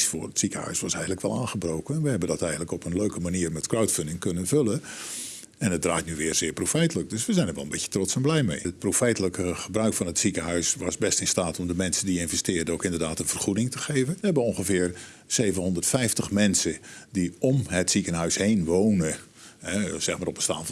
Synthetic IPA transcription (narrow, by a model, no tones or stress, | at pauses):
fʊːrətsikəɦœ̰ɥsʋɑsɛjətləkʋɛ̰lˠãːχəbrowkənɛnʋəɦɛbəndɑtɛjɣən̩ləkɔpənløɥkəmaniːrmɛtkrawtfʏndɪŋkønənvølə | ɛnət̚draːtnyʋɪːrzɪːɹprofɛjtələk̚døsʋəzɛjndəɹʋɛlˠənbɪcjə̥trɔtsɛnblɛjmejət̚profɛjtələkəχəbrœɥkfɑnətsikəɦœɥsʋɑsbɛstɪnstaːtʰɔmdəmɛnsəndiɪnvɛstɪːrdəowkɪndərdaːtənv̥ərχudɪŋtəχejvənʋəɦɛbəɔŋχəvɪːr | seːvənɦɔndərtfɛjftəχmɛnsədiɔmɦətsikənɦœɥshejnʋownə | ɛz̥ɛxmaːɾrɔpənstaːnf